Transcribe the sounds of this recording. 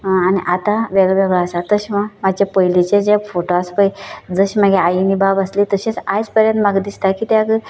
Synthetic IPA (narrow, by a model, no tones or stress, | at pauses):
aniʔat̪ãʋeɡʋəɡəasat̪əɕmamad͡ʑjapəjlit͡ɕẽd͡ʑafoʈoaspəjd͡zəɕmaɡeajinibabəslit̪əɕet͡sajt͡spəɾjənt̪maɡd̪ist̪akit̪jaɡə